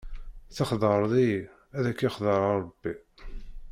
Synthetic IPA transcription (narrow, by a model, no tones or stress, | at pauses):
θɑχðˤəɾˤði | æðækːiχðˤəɾˤɑɾˤb̥ːi